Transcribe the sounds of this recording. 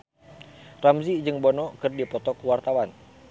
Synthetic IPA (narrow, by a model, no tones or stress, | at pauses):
ramzid͡ʒɨŋbɔnɔkɨrdipɔt̪ɔkuwart̪awan